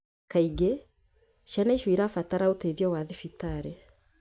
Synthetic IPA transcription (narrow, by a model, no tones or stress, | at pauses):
kaiɡe | ʃanaiʃwiɾafataɾaotɛðjɔwaðifitaɾɛ